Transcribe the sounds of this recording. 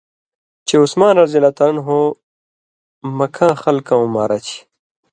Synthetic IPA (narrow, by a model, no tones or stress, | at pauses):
t͡ɕʰeusmaːnɐɾzilɐt̪ɐnɦo | mɐkʰãːxɐlkɐ̃ũmaːɾɐt͡ɕʰi̥